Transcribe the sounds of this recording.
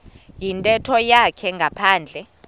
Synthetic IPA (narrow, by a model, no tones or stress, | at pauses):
jintʼɛtʰɔjakʰɛŋɡʱapʰaːnd͡ɮʱɛ